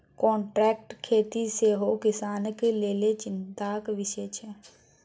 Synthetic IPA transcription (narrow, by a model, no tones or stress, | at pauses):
kɔ̃ːɳʈɾɛːk̚ʈkʰeːt̪iseɦokɪsaːnkeleːlet͡ʃɪnt̪akʋɪʃet͡ʃʰɛ